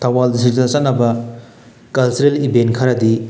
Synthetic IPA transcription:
t̪ʰɐwaldisizɐsɐtnɐbɐ | kɐlseɾelibenkʰɐɾɐd̪i

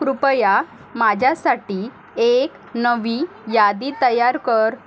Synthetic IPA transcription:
kɾupəja | mad͡ʑʱjasaʈiː | ek | nəʋi | jad̪it̪əjaɾkəɾ

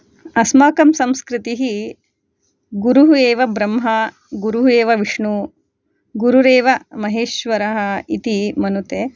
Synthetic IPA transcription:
ɐsmaːkɐmsɐmskɾit̪iɦi | ɡuɾuɦueːʋɐbɾɐmɦɐ | ɡuɾuɦueːʋɐʋiʂɳu | ɡuɾuɾeːʋɐmɐɦeːʃʋɐɾɐɦɐit̪imɐnut̪eː

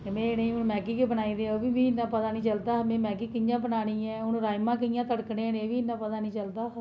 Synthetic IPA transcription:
mɛ̃ːnəĩːʊnmɛːkiːkebənaːiːd̪eɛ̃oːbiːbiːɪnːãːpət̪aːnĩːt͡ʃəld̪aːmẽːmɛːkiːkɪjãːbənaːɽĩːɛ̃ːʊnɾaːjmãːk̬ɪjãːt̪əɽknẽːnẽːʋiːɪnːãːpət̪aːnĩːt͡ʃəld̪aː

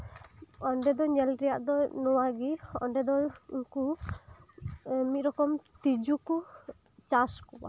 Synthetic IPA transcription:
ɔɳɖɛd̪ɔɲɛlɾɛjaʔd̪ɔnɔwaɡiɔ̰ɳɖɛd̪ɔuŋku | mit̪̚ɾɔkɔmt̪id͡ʒuku | t͡ʃaskɔba̰

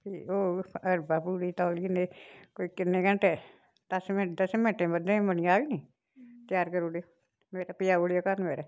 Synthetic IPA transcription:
pʰiːoːəɾbaːpuːɽiːt̪ɔːliinekoːiːkɪnːẽːkəɳʈeː | t̪əsmẽd̪əsmẽːʈẽːbəd̪ẽmənɪjaːʋiniː | t̪ɪjaːɾkəɾoːɽejoː | meːɾaːpɪjaːoɽjoːkanmeːɾɛː

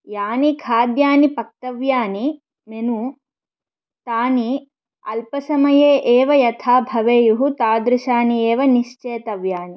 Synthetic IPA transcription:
jaːnikʰaːd̪jaːnipɐk̚t̪ɐʋjaːni | menu | t̪aːni | ɐlpɐsɐmɐjeːʔeːʋɐjɐt̪ʰaːbʱɐʋeːjuɦut̪aːd̪ɾuʃaːniɛːʋɐniʃt͡ʃeːt̪ɐʋjaːni

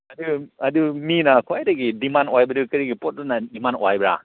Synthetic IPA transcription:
ɐduɐduminakʰuajdaɡidimanwajbɐdukɯɾiɡipot̚dunadimanwajbɾa̰

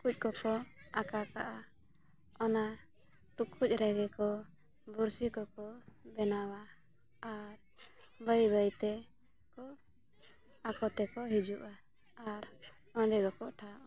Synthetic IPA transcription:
kuc̚ˀkɔkɔakakaʔa | ɔna | ʈukʰuc̚ˀɾɛɡɛkɔ | buɾsikɔkɔbɛnawa | aɾ | bəjbəjt̪ɛ | kɔ | akɔt̪ɛkɔɦid͡ʒuʔaː | ɾ | ɔ̃ɖɛɡɔkɔʔʈʰaʔa

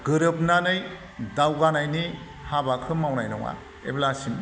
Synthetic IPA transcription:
ɡɯɾɯp̚nanɯj | dawɡanajni | habakʰɯmawnajnɔŋa̰ | ḛblasim

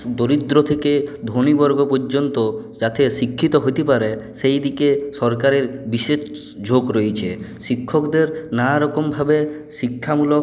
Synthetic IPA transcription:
d̪oɾid̪ɾot̪ʰeked̪ʱonibɔɾɡopɔɾd͡ʑont̪od͡ʒat̪esikʰːit̪ɔɦojt̪epaɾesejd̪ikesɔɾkaɾeɾbiʃeʃ | d͡ʑʱoɡɾojt͡ɕʰeʃikʰːɔkd̪eɾnaɾɔkɔmbʱabe | sikʰːamulok

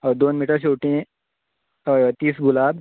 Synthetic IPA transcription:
əwd̪oːnmiʈəɾɕ̬ewʈĩ | əjət̪iːsɡulab

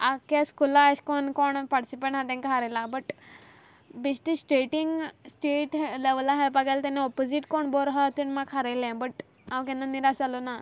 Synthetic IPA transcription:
akaskulaɕkɔɳkɔɳpaʈisipẽɳʈɦãt̪ɛ̃ŋkaɦaɾajlabəʈ | biɕʈisʈeʈiŋɡsʈeʈleʋlaɦeɭpaɡelt̪ɛneɔpod͡ziʈkɔɳbɔɾɦat̪iɳmakʰaɾajlɛ̃bəʈ | ãwkɛ̃nːaniɾasalɔna

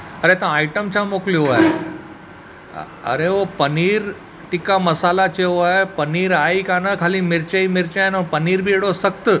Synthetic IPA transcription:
əɾet̪ãajʈəmt͡ɕʰamokliʋoae | ə̰ɾeʋopəniːɾ | ʈikaməsalat͡ɕeʋoaepəniːɾaikanəkʰaliːmiɾt͡ɕaimiɾt͡ɕanopəniːɾbʱiːeɽosəkt̪ə

